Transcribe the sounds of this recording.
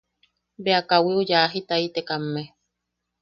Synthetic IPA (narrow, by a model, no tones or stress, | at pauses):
beakawiojaɦit̪ait̪ekamːe